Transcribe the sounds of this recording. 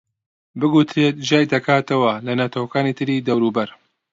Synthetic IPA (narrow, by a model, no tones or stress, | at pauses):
bɨɡut̪ɾeːt̪̚d͡ʒaːjd̪ɐkʰaːt̪ɐwɐlɐnat̪ʰɐwɐkaːnit̪ʰɨɾiːd̪ɐwɾuːbɐɾ